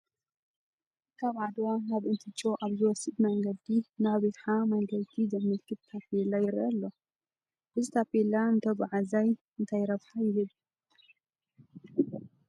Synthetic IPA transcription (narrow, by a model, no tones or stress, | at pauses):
kʰaβʕad̪wanaβʔɨnt̪ʰɨt͡ʃʼːoʔaβzɨwɔsɨd̪mɐŋɡɐd̪inaβiħamɐŋɡɐlt̪ʰizɐmːɨlkʰɨt̪t̪ʰːapelajɛɾɐlːo | bɨzit̪ʰapelaɨnt̪ʰɐbaʕazaj | ɨnt̪ʰajɾɐβħajɪhɨd̪